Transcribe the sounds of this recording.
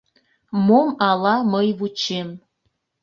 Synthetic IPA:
momɑlɑməjβut͡ɕem

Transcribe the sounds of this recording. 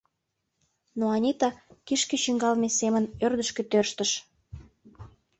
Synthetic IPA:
noɑnʲit̪ɑkiʃkĕɕyŋɡɑlmesemənørd̪əʃket̪ørʃt̪ə̆ʃ

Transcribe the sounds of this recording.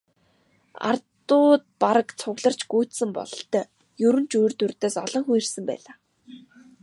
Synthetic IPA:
a̰rt̪ʊːt̪̚paɾə̆kt͡sʰʊɣɮə̆r̥t͡ɕɡ̥uːt̪sɘ̆mpɔ̰ɮt̪ə | jɵɾɘ̆nt͡ɕujrt̪urt̪eːsɔɮɞ̆ŋxujĭrsɘ̆mpæ̰ːɮaː

